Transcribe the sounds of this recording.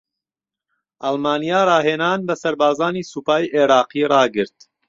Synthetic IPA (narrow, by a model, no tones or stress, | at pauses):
ʔɐlˠmaːnijaːrɑːɦeːnaːnbɐsɐɾbaːzaːniːsuːpaːjʔeɾɑːqiːrˤɑːɡɨɾt̪